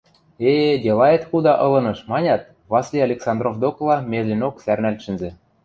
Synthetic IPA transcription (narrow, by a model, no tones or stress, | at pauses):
edʲelɑet̪xud̪ɑʔɤ̆lɤ̆nɤ̆ʃmɑnʲɑt̪̚ | βɑslʲiɑlʲeksɑnd̪rovd̪oklˠɑmʲeʒlʲinoksærnælʲʃɘ̆nzĕ